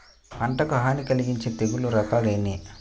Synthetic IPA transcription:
ɐɳʈɐkɐɦaːnikɐliɡiɲt͡ʃeːt̪eɡuluɾɐkaːleːni

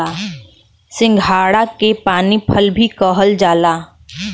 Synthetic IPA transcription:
a | sɪ̃ŋɡʱaːɽakepaːnipʰəlbʱikɔːɦəld͡ʒaːlaː

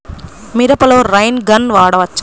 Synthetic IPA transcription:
miɾɐpɐloːɾɐjnɡɐnʋaːɽɐʋɐt͡ʃː

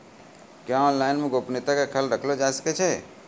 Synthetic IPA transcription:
kjãɔnlaɪnmeɡopnit̪akekʰəlɾəkʰlod͡ʒasə̥kɛt͡ʃʰɛ

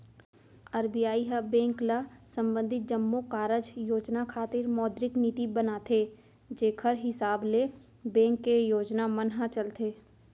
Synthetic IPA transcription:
ɐɾbijaːiɦəbɛ̃ːŋkləsə̃mbə̃nd̪ʱɪt̪̚d͡ʒəmːokaːɾəd͡ʒjoːd͡ʒnakʰaːt̪ɪɾmɔːd̪ɾɪknɪt̪ibənat̪ʰeː | d͡ʒeːkʰəɾɦɪsaːble | bɛ̃ːŋkːejoːd͡ʒnamənɦãt͡ʃəlt̪ʰeː

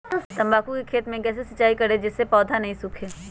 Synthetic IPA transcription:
t̪ɐmbaːkukikʰeːt̪mẽkɛːs̬esɐt͡ʃːaːikɐɾed͡ʒɪsːepɔːd̪ʱanɐɦĩsʊkʰeː

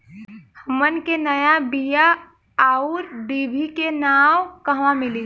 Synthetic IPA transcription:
həmənkenəjabijaː | uɾɖ̪ibʱikenawkəɦʋãmili

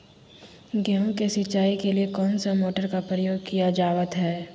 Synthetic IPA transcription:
ɡɛɦõkesɪːt͡ʃʃaːikeliekɔːnsamoːʈəɾkapɾəjoːɡkijad͡ʒaːʋət̪ɦɛː

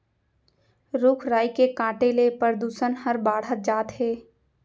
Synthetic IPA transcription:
ɾʊkʰɾaːjkekãːʈelepəɾd̪uːsənhəɾbaːɽ̤ət̪̚d͡ʒaːt̪ɦeː

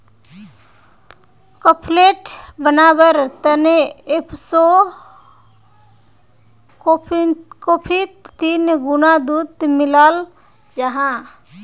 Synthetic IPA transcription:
kəpʰleʈbənabəɾt̪əneepʰso | okopʰit̪ːinɡunad̪ut̪miləl | d͡ʒəɦã

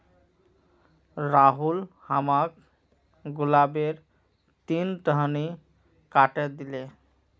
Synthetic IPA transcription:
ɾaɦulhamak | ɡulabeɾ | t̪inʈəɦni | kaʈed̪ile

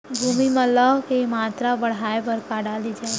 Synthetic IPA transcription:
bʱuːmimɐ̃laɦkemaːt̪ɾabəɽ̤aːepəɾkaɽaːlid͡ʒaː

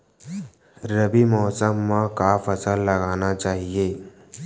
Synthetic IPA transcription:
ɾəbimɔɦsəmːãkafəsəlːəɡanat͡ɕaɦije

